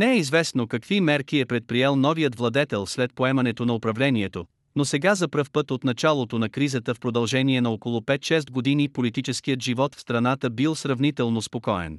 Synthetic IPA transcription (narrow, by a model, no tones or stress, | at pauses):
nɛɛizvɛsnokɐkvimɛɾkiɛpɾɛt̪̚pɾiɛlˠnɔvijət̪vlˠɐd̪ɛt̪ɛlˠslɛt̪̚poɛmɐnɛt̪onɐopɾɐvlɛniɛt̪o | nosɛɡazɐpɾɤfpɤt̪ot̪nɐt͡ʃalˠot̪onɐkɾizət̪əfpɾod̪ɐlˠʒɛniɛnɐokolˠʊpɛt̪ʃɛs̬t̪̚ɡod̪inipolit̪it͡ʃɛsk̟ijət̪ʒivɔt̪fst̪ɾɐnat̪əbilˠsɾɐvnit̪ɛlˠnospokɔɛ̰n